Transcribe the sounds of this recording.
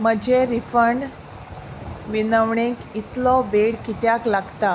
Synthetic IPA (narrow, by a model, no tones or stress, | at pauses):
m̤əd͡ʑeɾifəɳ | ʋinəʋɳekit̪lɔbeɽkit̪jaklaɡt̪a